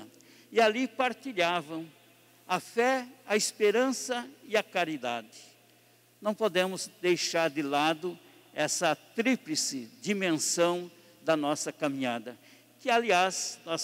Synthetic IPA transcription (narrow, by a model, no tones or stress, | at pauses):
ɪalipaɾt̪iʎavɐ̃w̃ | ɐfɛɐispeɾɐ̃sɐɪɐkaɾid̪a̰d̪ɪ̥ | nɐ̃w̃pod̪ẽmʊzd̪ejʃaɾd̪ɪlad̪ʊ | ɛsɐt̪ɾiplɪsɪd͡ʒ̪imẽsɐ̃w̃ | d̪ɐnɔsɐkamĩɲad̪ɐ | kɪaliaznɔs